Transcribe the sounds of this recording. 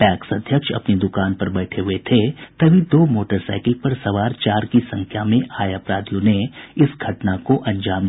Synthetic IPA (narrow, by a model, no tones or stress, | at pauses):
ʈɛːksɐd̪ʱjəkʃɐ̰pnid̪ʊkaːnpɐɾbɛːʈʰeɦʊet̪ʰet̪ɐbʱid̪oːmoːʈəɾsa̰ːɪkɪlpɐɾsɐʋaːɾt͡ʃaːɾkisɐ̃ŋkʰjamẽʔaːjapɾaːd̪jõneɪsɡʱɐʈnakoʔɐ̃ɲd͡ʒaːm